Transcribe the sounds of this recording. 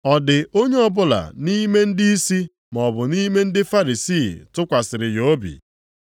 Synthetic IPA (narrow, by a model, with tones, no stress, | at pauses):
ɔ˨dɪ˨ʔo˦ɲe˦ɔ˦bʊ˦la̰˨ni˦me˦n̩˦di˦i˦si˦ | mɔ˨bʊ˨ni˦me˦n̩˦dɪ˦fa˦ɾi˨siː˦˨tʊ˦kʷa˨sɪ˨ɾɪ˨jo˦bḭ˨